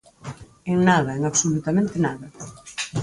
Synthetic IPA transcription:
eŋnaðɐeŋaβsolut̪amẽnt̪ɪnaðɐ

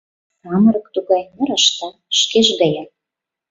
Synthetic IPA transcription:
ɑmɤ̆ɾɤ̆kt̪uɣɑjmə̆ɾə̆ʃt̪ɤ̆ | ʃkeʒɣə̆jɑ

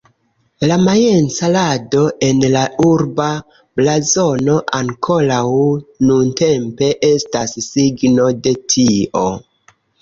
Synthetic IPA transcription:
lamajent͡salado̞ʔe̞nlauɾba | blazo̞no̞ʔaŋkʰo̞lawnunte̞mpe̞ʔe̞stassiɡno̞de̞tʰiʔo̞̰

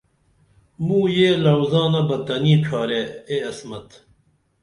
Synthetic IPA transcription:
mũːjeːlɐwzãːnɐbɐt̪ɐniːʈ͡ʂʰaːɾeeɐsmɐt̪

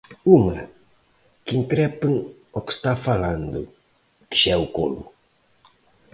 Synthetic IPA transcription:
uŋɐ | kɪŋkɾɛpɪŋ | ɔkɪ̥st̪afaland̪ʊ̰ | kɪ̥ʃɛuko̰lʊ

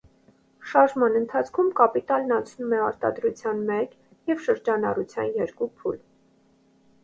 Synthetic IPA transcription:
ʃɑɾʒmɑnənt̪ʰɑt͡sʰkʰumkɑpit̪ɑlnɑnt͡sʰnumɛɑɾt̪ɑ̰d̪ɾut͡sʰjɑnmɛk | jɛvʃəɾd͡ʒɑnɑrut͡sʰjɑ̰njɛɾkupʰṵl

